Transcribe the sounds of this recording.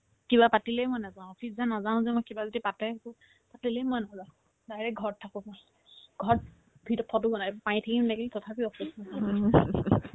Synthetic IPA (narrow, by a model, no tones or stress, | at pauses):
kiβapatilɛjmɔjnazaw̃ɔpʰiszanazaʊ̃zɛmɔjkibazodipatɛku | patilɛmɔjnazã | dajɹɛɡʱɔɹtʰːakʊmɔj | ɡʱɔɹ | bʱitɔpʰɔtuɡɔnapaĩtʰakimdakiltɔtʰapiɔpʰismɔaa